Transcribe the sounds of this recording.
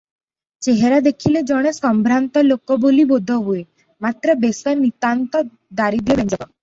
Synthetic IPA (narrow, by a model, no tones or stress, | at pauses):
t͡ʃeɦeɾad̪ekʰiled͡ʒɔɽ̃esɔmbʱɾant̪ɔlokɔbolibod̪ʱɔɦue | mat̪ɾɔbesɔnit̪ant̪ɔ | d̪aɾid̪iɔbend̪ɔkɔ